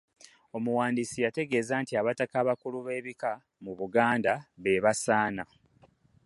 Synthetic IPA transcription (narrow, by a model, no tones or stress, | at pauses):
o̞muwaːndisijate̞ɡe̞ːzaːntiaβatakaːβakuluβe̞ːβika | muβuɡaːndaβe̞βasaːna